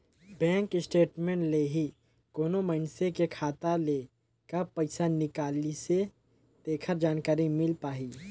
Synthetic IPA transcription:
bɛ̃ːŋkɪsʈeːʈmẽːɳʈleɦi | koːnoməɪnsekekʰaːt̪ale | kapɐɪsanɪkaːlise | d̪eːkʰəɾd͡ʒaːnkaːɾimɪlpaːɦiː

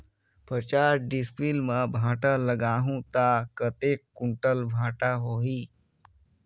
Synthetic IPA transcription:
pət͡ʃaːɾɖispilmãbʱãːʈaləɡaːɦũt̪akət̪eːkːʊɳʈəlbʱãːʈaɦoːɦiː

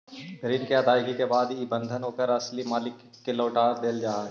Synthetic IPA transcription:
ɡɾiːnkeɐd̪ʱaːɪɡikebaːd̪ibə̃nd̪ʱənɦoːkəɾɐslimaːlɪkːeloːʈaːɾd̪eːld͡ʒaːɦa

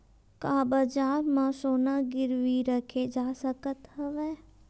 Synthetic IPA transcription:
kaːbəd͡ʒaːɾmãsoːnaɡɪɾʋiɾəkʰed͡ʒaːsəkət̪ɦəʋɛː

